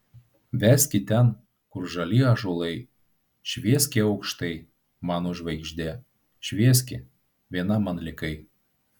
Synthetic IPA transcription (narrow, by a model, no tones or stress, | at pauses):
ʋʲæːsʲkʲɪt̪ʲɛn | kʊɾʒɐlʲiːɐʒolˠɐɪ | ʃʲʋʲiɛsʲkʲeːɒʊkʃt̪ɐɪ | mɑːnoʒʋɐɪɡʒʲd̪ʲeː | ʃʲʋʲiɛsʲkʲɪ | ʋʲiɛnɐmɐnlʲɪkɐɪ